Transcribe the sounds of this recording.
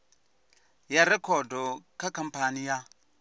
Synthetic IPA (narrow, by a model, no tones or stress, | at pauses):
jaɾɛkʰɔdɔkʰakam̩panija